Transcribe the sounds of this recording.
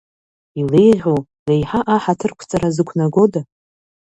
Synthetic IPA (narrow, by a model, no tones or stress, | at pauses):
ile̞jʁʲo | le̞jħaʔaħatʰɨrkʷʰt͡sʼaɾazɨkʷʰnaɡo̞da